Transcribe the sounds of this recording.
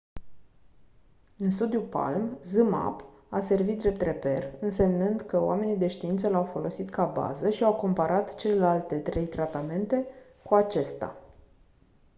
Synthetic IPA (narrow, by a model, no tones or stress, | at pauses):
ɨnst̪ud̪jupa̰lmzɨma̰p | ase̞rvit̪̚d̪ɾe̞p̚t̪re̞pe̞rɨnse̞mnɨnd̪kəoa̰me̞nid̪e̞ʃt̪iint̪səlawfo̞lo̞sit̪kaba̰zəʃiawko̞mpaɾʔat̪t͡ʃe̞le̞lalt̪e̞t̪ɾe̞jt̪ɾat̪ame̞nt̪e̞ | kuat͡ʃe̞st̪a̰